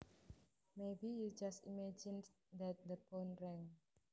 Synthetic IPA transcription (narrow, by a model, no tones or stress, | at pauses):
mebijud͡ʒastimɛd͡ʒɪ̃n | d̪ɛt̪̚d̪əpõnɹɛ̃ŋ